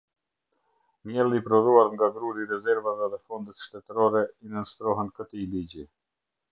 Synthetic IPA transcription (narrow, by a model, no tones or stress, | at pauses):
mjɛlˠipɾɔðuaɾŋɡaɡɾuɾiɾɛzɛɾvavɛðɛfɔnd̪ɛt̪ʃt̪ɛt̪ɾɔɾɛinənst̪ɾɔɦɛnkət̪iliɟi